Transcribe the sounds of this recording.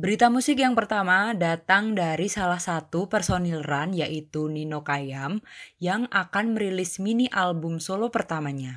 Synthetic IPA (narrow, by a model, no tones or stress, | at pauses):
bəɾit̪amusɪk̬̚jaŋpərt̪amadat̪aŋdaɾisalahsat̪upɛrsonilranjaʔit̪uninokajamjaŋakanməɾilɪsminiʔalbʊmsolopərt̪amaɲa